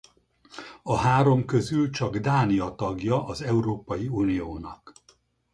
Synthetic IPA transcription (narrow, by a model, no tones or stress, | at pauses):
ɒɦaːɾo̞mkø̞zylt͡ʃɒɡd̪aːnijɒt̪ɒɡjɒʔɒzɛuɾoːpɒjiuːnijoːnɒk